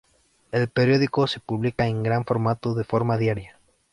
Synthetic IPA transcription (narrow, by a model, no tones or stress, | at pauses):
e̞lpeɾjo̞ðikose̞puβlikaeŋɡɾaɱfo̞ɾmat̪oðe̞fo̞ɾmaðjaɾja